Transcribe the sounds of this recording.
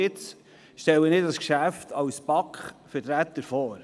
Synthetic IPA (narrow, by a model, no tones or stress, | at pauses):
ɪt͡s | ʃtɛlənɪdɑskʃæft̪ʰɑwspɑkχfəɾtɾæt̪əɾfɔːɾ